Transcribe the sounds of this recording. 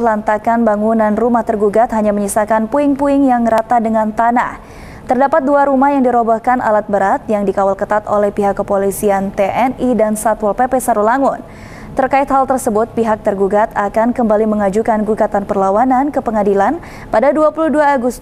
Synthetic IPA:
lant̪akanbaŋunanrumaht̪ərɡuɡat̪̚ɦaɲaməɲisakanpuɪŋpuɪŋjaŋɾat̪adəŋant̪ana̰h | t̪ərdapat̪̚duaɾumahjaŋdiɾobahkanʔa̰lat̪̚bəɾat̪̚jaŋdikawalkət̪at̪olɛhpiɦakːəpolisiant̪eʔɛnidansat̪wɔlpepɛsaɾulaŋʊn | t̪ərkaɪt̪ɦalt̪ərsəbʊt̪̚piɦak̚t̪ərɡuɡat̪akankəmbaliməŋad͡ʒukanɡuɡat̪anpərlawanankəpəŋadilan | padaduapuluhduaːɡust̪

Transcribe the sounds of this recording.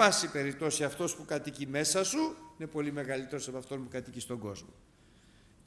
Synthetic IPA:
ɐsipe̞ɾip̚t̪o̞siɐft̪o̞spukɐt̪icime̞sɐsuine̞po̞lime̞ɣɐlit̪e̞ɾo̞sɐpɐft̪o̞npukɐt̪icist̪o̞ŋɡo̞̰zmo̰

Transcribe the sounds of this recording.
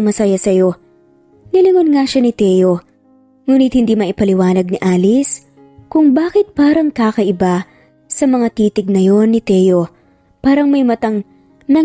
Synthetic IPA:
mɐsajasɐjo̞ | nɪlɪŋonŋaʃanɪt̪ɛjo̞ | ŋuːnɪt̪̚hɪnd̪iːmɐʔɪpɐlɪwaːnɐɡ̚nɪʔaːlɪs | kʊŋbaːkɪt̪̚paːɾɐŋkaːkɐʔɪba | sɐmɐŋat̪iːt̪ɪɡ̚nɐjo̞nːɪt̪ɛjo̞ | paːɾɐŋmɐjmɐt̪ɐŋ | nɐ

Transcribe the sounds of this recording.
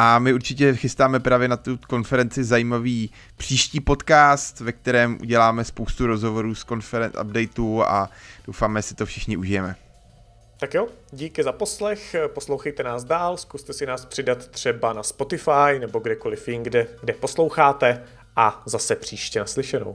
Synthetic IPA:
ʔamɪuɾt͡ʃɪcɛxɪst̪aːmɛpɾaːvjɛnat̪uko̞nfɛɾɛnt͡sɪzajiːmaviː | pr̥iːʃciːpo̞t̪kaːst̪vɛk̚t̪ɛɾɛːmʔṵɟɛlaːmɛspowst̪uɾo̞zɦovo̞ɾuːsko̞nfɛɾɛʔa̰bdɛjt̪uːa̰d̥owfaːmɛjɛsɪ̥t̪ofʃɪxɲɪʔuʒɪjɛmɛ | t̪akjoɟiːkɪzapo̞slɛxposlowxɛjt̪ɛnaːzdaːlskust̪ɛsɪnaːspr̥ɪdat̪ːr̝̥ɛbanaspo̞t̪ɪfajnɛbo̞ɡdɛkolɪfjɪnɡdɛɡdɛpo̞slowxaːt̪ɛ | ʔazasɛpr̝̥iːʃcɛnaslɪʃɛno̰w

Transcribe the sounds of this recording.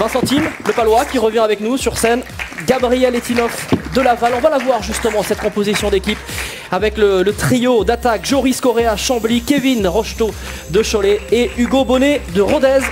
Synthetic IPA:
vɛ̃sɑ̃t̪inləpalwakʲiʁəvjɛ̃avɛknusyʁsɛnɡabʁijɛlet̪inɔfd̪əlavalɔ̃valavwaʁʒyst̪əmɑ̃sɛt̪̚kɔ̃pozisjɔ̃d̪ekʲip | avɛklələt̪χijod̪at̪akʒɔʁiskɔʁeaʃɑ̃blikʲevinʁɔʃt̪o | d̪əʃɔleeyɡobɔned̪əʁɔd̪ɛz

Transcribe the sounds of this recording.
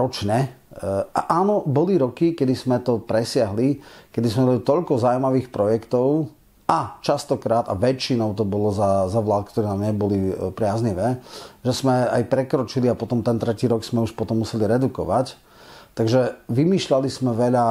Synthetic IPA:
ɾɔt͡ʃɲɛ | aʔaːnɔbɔliɾɔkikɛd̪izmɛt̪ɔpɾɛsɪaɦlikɛd̪ismɛmɔlit̪ɔʎkɔzawumaʋiːxpɾɔjɛkt̪ɔʊ | at͡ʃast̪ɔkɾaːt̪a̰ʋɛt͡ʃinɔʊt̪ɔbɔlɔzazaʋlaːt̪̚kt̪ɔɾɛːnaːmɲɛbɔlipɾɪazɲiʋɛːʒɛzmɛa̰jpɾɛkɾɔt͡ʃiliapɔt̪ɔmt̪ɛnt̪ɾɛciːɾɔkz̥mɛuʃpɔt̪ɔmːusɛliɾɛd̪ukɔ̰ʋac | t̪aɡʒɛʋimiːʃʎalizmɛʋɛʎa

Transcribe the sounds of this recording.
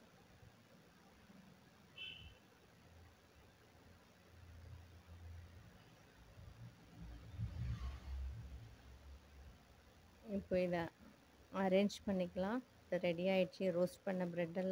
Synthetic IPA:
ɪpːoːɪðɐ | ɐɾeːɲd͡ʒpɐɳːɪkːɐlãː | ðɐɾɛɽiaːjɪʈt͡ʃːiɾoːsʈpɐɳːɐbɾɛɖːɐl

